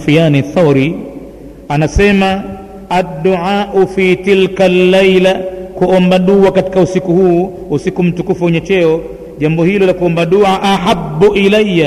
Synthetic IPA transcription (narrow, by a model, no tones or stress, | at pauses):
fijaːniθaɾi | anasɛma | ad̪ːuʕaːʔufiːt̪ilkalːajlakuɔmbaɗuakati̥kausikuhuː | usikum̩tukufuɛɲɛt͡ʃɛɔ | ʄambɔhilɔlakuɔmbaɗuʕaʔaħabːuʔilajːa